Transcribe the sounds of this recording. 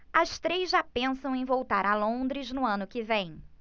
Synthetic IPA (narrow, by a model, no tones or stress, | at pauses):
ɐst̪ɾejzʒapẽsɐ̃w̃ẽj̃vowt̪aɾɐlõnd̪ɾɪznʊɐ̃nʊkɪvẽj̃